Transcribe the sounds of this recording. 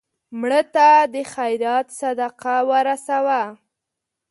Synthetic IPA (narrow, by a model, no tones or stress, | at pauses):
mɽət̪ad̪əxajɾɑt̪sad̪aqawəɾasawa